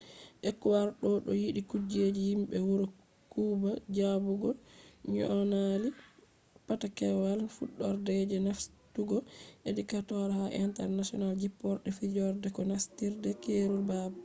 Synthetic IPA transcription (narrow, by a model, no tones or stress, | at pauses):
ʔɛkːuwaɾɗɔɗɔjiɗikud͡ʒed͡ʒihimɓɛwuɾɔ | kuːbad͡ʒabuɡɔɲɔ̰ʔɔnali | patakɛwalfuɗːɔɾdɛd͡ʒɛnaftuɡɔʔedikatɔɾhaʔḭntɛ̰ɾnasiɔnald͡ʒipːɔɾɗɛfid͡ʒɔɾdɛkɔnastiɾdɛkeɾulbaba